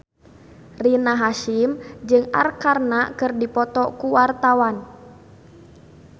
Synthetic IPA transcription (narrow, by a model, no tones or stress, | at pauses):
rinaɦaʃimd͡ʒɨŋa̰rkarnakɨrdipɔt̪ɔkuwart̪awan